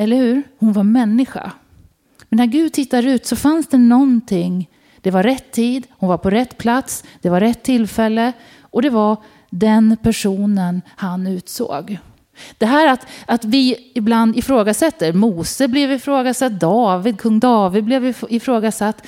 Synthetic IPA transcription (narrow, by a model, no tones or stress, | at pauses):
ɛlːəɾhʉ̟ːɾhʊnvaɾmɛnːɪɧa̰ | mɛnæɾɡʉ̟ːd̪̚t̪ʰɪt̪ːaɾʉ̟ːt̪sɔfansd̪ɛnɔnt̪ʰɪŋ | d̪̥ɛvaɾɾɛt̪ʰːiːd̪hʊnvaɾpʰɔɾɛt̪ːpʰlat̪sd̪̥ɛvaɾɛt̪ʰːɪlːfɛlːə | ʔɔd̪ɛva | d̪ɛnpʰæʂuːnənhanʉ̟ːt̪so̰ːɡ | d̪̥ɛɦæːɾat̪at̪vɪɪbland̪ɪfɾoːɡasɛt̪ːəɾmuːsəblɛvɪfɾoːɡasat̪̚d̪ɑːvɪd̪̚kʰɵŋːd̪ɑːvɪd̪̚blɛvɪɪfɾoːɡasat̪ː